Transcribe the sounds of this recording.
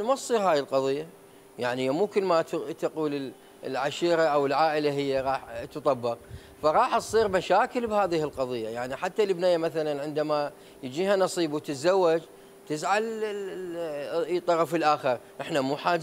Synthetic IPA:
masˤiːɾhaːjɪlqɑðˤijːa | jaʕnimuːkʊlːmat̪t̪aquːlɪl | lʕaʃiːɾaʔawɪlʕaːʔɪlaɦɪjːaɾˤɑːħt̪ɨt̪ˤɑbːɑq | faɾˤɑːħʔsˤiːɾmaʃaːkɪlbhaːðɪhɪlqɑðˤɨjːajaʕniħat̪ːalɪbnajːamaθalanʕɪnd̪ama | jɪd͡ʒiːhanɑsˤiːbwt̪ɪt̪zawːad͡ʒ | t̪ɪzʕal | t̪ˤːɑɾˤɑfɪlʔaːxɪɾʔɪħnamuːħaːd͡ʒ

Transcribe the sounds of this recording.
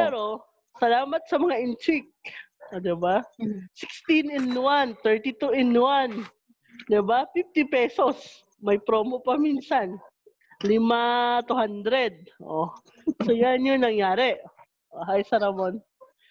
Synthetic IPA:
pɛːɾo̞ | sɐlaːmɐt̪̚sɐmɐŋaʔɪnt͡ʃ̪ɪk̚ | ʔd̪ɪbasɪkst̪inɪnwant̪ɛɹt̪ɪt̪uʔɪnwan | d̪ɪbafift̪ɪpɛso̞s | mɐjpɾoːmopɐminsan | lɪmat̪uhand̪ɾɛd̪̚ʔo | sojanjoŋnɐŋjaːɾɛʔ | ʔoɦajsɐɾɐmon

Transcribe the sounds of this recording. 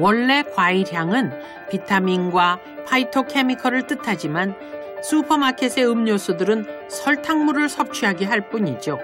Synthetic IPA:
wʌɭːe̞kwaiɾjaŋɯn | pitʰaminɡwa | pʰaitʰokʰemikʰʌɾɯɭt͈ɯtʰad͡ʑiman | sʰupʰʌmakʰesʰe̞ɯmɲosʰudɯɾɯn | sʰʌɭtʰaŋmuɾɯɭsʰʌp̚t͡ɕʰɥiɦaɡe̞ɦaɭp͈uɲid͡ʑo

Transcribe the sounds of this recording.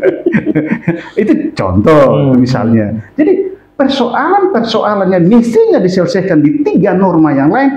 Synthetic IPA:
it̪ut͡ʃɔ̰nt̪ɔmisa̰lɲa̰d͡ʒadi | pərsoʔalanpərsoʔalanɲamist̪iɲadisɛlsɛhkandit̪iɡanɔrmajaŋlaɪn

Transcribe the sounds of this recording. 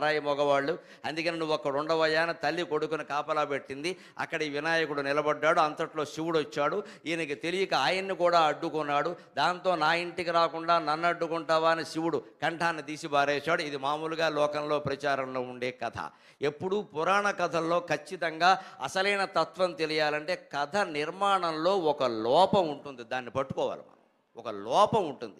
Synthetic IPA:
ɾaːjimɔɡɐʋaːɭːu | ɐnd̪ukɐninuʋːɔkːɐʈuɳɖɐʋɐjaːnɐt̪ɐlːiko̞ɽukunikaːpɐlaːpe̞ʈːind̪i | ɐ̰kːɐɽɐiːʋinaːjɐkuɽunɪlɐbɐɖːaːɽuɐnt̪ɐʈlo̞ːʃiʋuɽɐt͡ʃːaːɽu | iːnɐkit̪e̞lijikɐaːjɐnːikuːɽaːɐɖːukunːaːɽud̪aːnt̪o̞ːnaːiɳʈikiɾaːkuɳɖaːnɐnːɐɖːukuɳʈaːʋaːnɐʃiʋuɽukɐɳʈʰaːnːid̪iːsibaːɾɛːʃaːɽuid̪imaːmuluɡaːlɔːkɐnlo̞ːpɾɐt͡ʃaːɾɐmlo̞ːuɳɖe̞ːkɐt̪ʰɐ̰ | e̞pːuɽupuɾaːɳɐkɐd̪ʱɐllo̞ːkɐt͡ʃːit̪ɐŋɡaːɐ̰sɐlɐjnɐt̪ɐt̪ʋɐmt̪e̞lijaːlɐɳʈe̞ːkɐd̪ʰʱɐniɾmaːɳɐmlo̞ːɔkɐlɔːpɐmuɳʈund̪id̪aːnːipɐʈːu̥kɔːʋa̰ːlḭma̰ːɐ | ɔkɐlɔːpɐmuɳʈund̪i

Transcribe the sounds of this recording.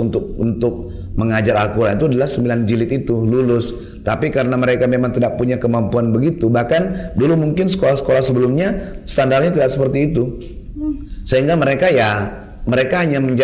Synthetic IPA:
unt̪ʊk̚unt̪ʊk̚ | məŋad͡ʒaɾalkuɾait̪uadalahsəmbiland͡ʒilɪt̪it̪ululʊs | t̪apikaɾənaməɾekamemaŋt̪idaʔ̚puɲakəmampuanbəɡit̪ubahkandulumuŋkɪnsə̥kolahsə̥kolahsəbəlʊmɲast̪andarɲat̪idaʔsəpərt̪iːt̪u | səɦiŋɡaməɾekaja | məɾekaɦaɲaməɲd͡ʒ

